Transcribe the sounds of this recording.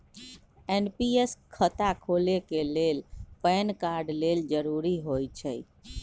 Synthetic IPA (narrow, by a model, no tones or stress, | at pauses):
enpieskʰət̪akʰolekelelpɛnkaɾɖleld͡ʒəɾuɾiɦojt͡ʃʰə̰j